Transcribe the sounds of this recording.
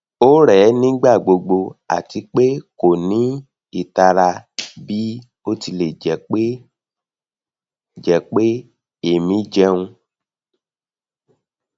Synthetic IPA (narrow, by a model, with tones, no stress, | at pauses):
o˦ɾɛ˨˦nĩ˦ɡ͡ba˦˨ɡ͡bo˧ɡ͡bo˧a̰˨ti˨˧˦k͡pe˦ko˨nĩ˨˦ | i˦˨ta˧ɾa˧bi˦ | o˦ti˧le˨d͡ʒɛ˨˦k͡pe˦ | d͡ʒɛ˨˦k͡pe˦ | e˦˨mĩ˨˦d͡ʒɛ˧˦ũ˧